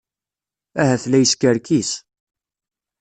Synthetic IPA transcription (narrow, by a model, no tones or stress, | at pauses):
æhæθlæjəskəɾkis